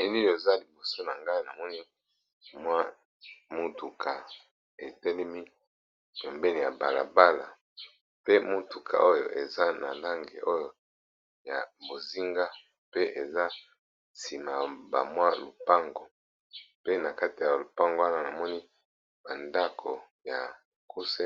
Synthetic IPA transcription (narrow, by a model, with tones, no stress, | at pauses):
e˦li˦˨o˨za˦li˨bo˨so˦na˨ŋɡa˦i˦na˨mɔ˦ni˦ | mwa˦ | mo˦tu˨kʰa˨ | e˨tɛ˦lɛ˦mi˦ | pɛ˨mbɛ˦ni˨ja˨ba˨la̰˨ba˦la̰˨ | pe˦mo˦tu˨kʰa̰˨ʔo˦jo̰˨ʔe˨za˦na̰˨la˦ŋɡḛ˨ʔo˦jo˨ | ja̰˨bo˨zi˦ŋɡa˦ | pe˦ʔe˨za˦ | si˨ma˨ba̰˨mwa˦lo˨pa˦ŋɡo˨ | pe˦na˨ka˦ti˨ja˨lo˨pa˦ŋɡo˦a˦na˨na˨mɔ˦ni˦ | ba˨nda˦kʰo˨ | ja̰˨ | ku˦se˦